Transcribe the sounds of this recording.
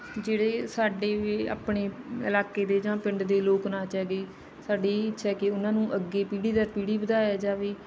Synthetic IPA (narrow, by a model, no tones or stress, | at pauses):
d͡ʒeːɽeːsaːɖeːeːa̰ːpɳeːɪ̰laːkeːd̪eːd͡ʒãːpɪ̃ɳɖd̪eːloːknaːt͡ʃɛːɡeː | saːɖeːɪtːʃʰɛːkeʊnãːnũːʔəɡːeːpiːɽiːd̪əɾpiːɽiːbəd̪aːɛːd͡ʒaːʋiː